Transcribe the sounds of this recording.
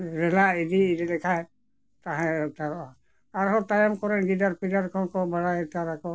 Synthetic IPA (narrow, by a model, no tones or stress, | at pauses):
ɾɛlaidiididɛkʰaj | t̪aɦɛ̃t̪aɾa | aɾɦɔt̪ajamkɔɾɛnɡidaɾpidaɾkʰɔkɔbaɽataɾakɔ